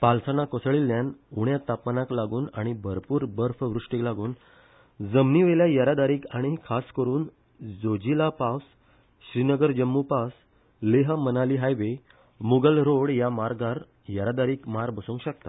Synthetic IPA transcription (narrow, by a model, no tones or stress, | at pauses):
palsənakosɭilːjanuɽjat̪apmanãklaɡuːnaɽ̃ibʱəɾpuːɾbəɾfʋɾuʂʈiklaɡuːn | d͡zəmniʋeljajəɾad̪aɾiːkaɽ̃ikʰaskəɾuːn | d͡zod͡ʑilapas | ɕɾinəɡəɾd͡ʑəmːupas | leɦmənaliːɦajʋe | muɡəlɾoɽjamaɾɡaɾ | jəɾad̪aɾiːkmaɾbəsũːŋkɕək̚t̪a